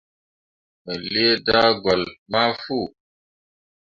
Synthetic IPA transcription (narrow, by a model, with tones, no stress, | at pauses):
mɛ˨li˦e˦da˦ɡɔ˨lma˦fu˦˨